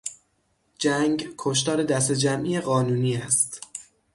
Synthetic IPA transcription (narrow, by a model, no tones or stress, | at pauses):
d͡ʒæŋɡkʰoʃ̬t̪ɒːɾe̞d̪æs̬t̪ed͡ʒæmʔiːjeɣɒːnuːniːæst̪